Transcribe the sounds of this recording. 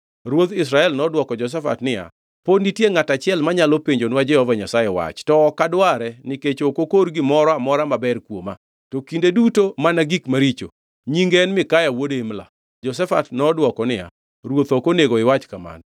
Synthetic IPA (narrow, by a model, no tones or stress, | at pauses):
ɾwot̪ɪs̬ɾaɛlnɔdwɔkɔd͡ʒɔs̬ɛfa̰tnɪja̰ | podnitjeŋatat͡ʃɪjɛlmaɲalopeɲd͡ʒonwad͡ʒɛhɔvaɲasajɛwa̰t͡ʃtɔːkadwaɾɛnɪket͡ʃokokoɾɡɪmɔɾɔamɔɾamabɛrkwoma | tokindedutomanaɡikmaɾit͡ʃo̰ | ɲiŋɡɛnmɪkajawodeɪmla̰ | d͡ʒɔsɛfatnɔdwɔkɔnɪja̰ | ɾwot̪okoneɡoɪwat͡ʃkama̰n